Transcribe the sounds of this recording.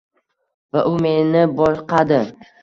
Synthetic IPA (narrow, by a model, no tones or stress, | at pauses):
vaʔʊme̞nɪbɒʃqʰɑd̪ɪ